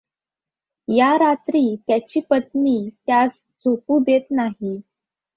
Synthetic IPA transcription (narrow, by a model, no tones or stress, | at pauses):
jaɾat̪ɾiːt̪jat͡ɕiːpət̪niːt̪jas | d͡zʱopuːd̪et̪naɦi